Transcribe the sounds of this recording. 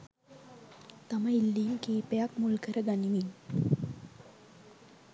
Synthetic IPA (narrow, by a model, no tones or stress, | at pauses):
t̪aməilːiːnkiːpejakmulkəɾəɡaniʋin